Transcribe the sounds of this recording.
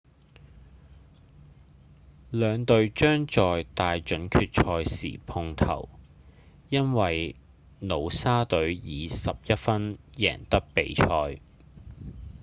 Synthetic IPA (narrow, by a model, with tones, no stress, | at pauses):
lœː˨˧ŋt̪ɵ˨˧ɥt͡ʃœː˥ŋt͡ʃɔː˨jt̪aː˨jt͡ʃɵ˨˥nkʰyː˧t̚t͡ʃʰɔː˧jsḭː˨˩pʰʊ˧ŋt̪ʰɐ̰˨˩w | jɐ˥nwɐ˨j | no˨˧wsaː˥t̪ɵ˨˥ɥjiː˨˧sɐ˨p̚jɐ˥t̚fɐ˥njɛː˨˩ŋt̪ɐ˥k̚pe˨jt͡ʃʰɔː˧j